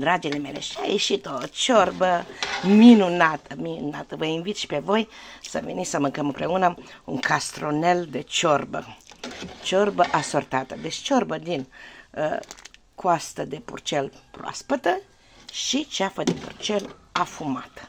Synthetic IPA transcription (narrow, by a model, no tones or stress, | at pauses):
d̪ɾad͡ʒile̞me̞lḛʃia̰jeʃit̪ot͡ʃorbəminunat̪ʰəminunat̪əvəinvit̪ʃi̥pe̞vo̞jsəvḛnisəmɨŋkəmɨmpɾe̞unəuŋkast̪ɾone̞ld̪e̞t͡ʃorbə̰ | t͡ʃorbəʔasort̪at̪əd̪et͡ʃt͡ʃo̞rbəd̪in | kwast̪əd̪e̞pṵrt͡ʃelproa̰spət̪ə | ʃit͡ʃafəd̪e̞pṵrt͡ʃelafumat̪